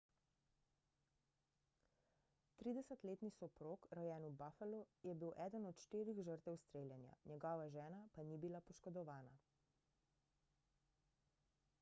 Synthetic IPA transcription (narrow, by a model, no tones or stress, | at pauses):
t̪ɾiːd̪ɛsət̪leːt̪nisɔpɾoːkɾɔjɛːnubaːfəlujɛbiwʔɛːd̪ənɔt̪ʃt̪iːɾiɣʒəɾt̪ɛwst̪ɾeːljɛnja̰nɛɡɔːʋaʒɛːnapanibilapɔʃkɔd̪ɔʋaːna